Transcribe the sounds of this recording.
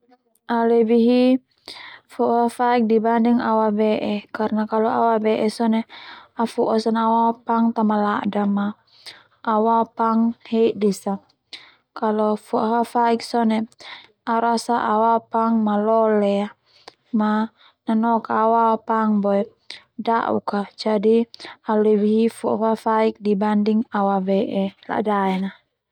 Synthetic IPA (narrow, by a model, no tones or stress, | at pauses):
alɛbiɦi | fuʔɦafaik̚dibandɛŋawabɛʔɛkaɾnakalɔawabɛʔɛsɔnɛafuʔɔsanawapaŋt̪amalaʔdamaː | wapaŋhɛiʔdisa | kalɔfɔʔɦafaik̚sɔnɛ | aɾasaʔawapaŋmalɔlɛa | ma | nanɔkawapaŋbɔɛ | da̰ʔṵkad͡ʒadialɛβiɦifuʔfafaik̚dibandiŋawavɛʔɛla̰daɛna